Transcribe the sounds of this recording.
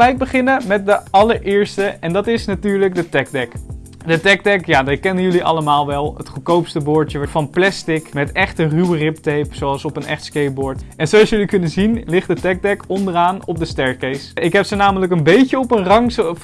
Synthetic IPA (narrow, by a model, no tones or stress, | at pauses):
lɛjk̚bəχɪnəmɛt̚dəʔɑləɹʔɪːɹstəɛndɑtɪsnatyːɹlək̚dətɛk̚dɛk | dətɛk̚dɛkjaːdɪkɛnəjɵliʔɑ̰ləmaːlˠʋɛlˠɦətχəkowpstəbʊɹtəʋfɑnplɛstɪkmɛtɛχtərywərɪp̚tejpsoɑlˠsɔpənɛ̰χtskejbɔɹtɛnzowɑsjɵlikɵnəzinlɪχtdətɛɡ̚dɛkɔndəraːnɔp̚dəstɛɹkejsɪkɦɛpsənaːmələkənbejcəɔpənrɑŋs